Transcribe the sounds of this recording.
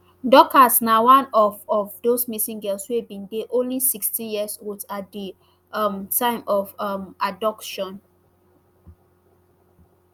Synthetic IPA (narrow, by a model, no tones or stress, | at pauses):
dɔkasnawãnɔvɔvdosmisĩŋɡɛlswebĩndeʔõnlisikstĩjiəsotatdi | amtãɪ̃mʔɔvmadɔkʃɔ̃n